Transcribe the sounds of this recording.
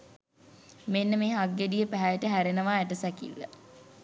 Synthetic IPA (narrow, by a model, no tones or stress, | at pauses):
menːəmeːɦaɡːeɖijəpæɦæʈəɦæɾenəʋaːeʈəsækḭlːə̰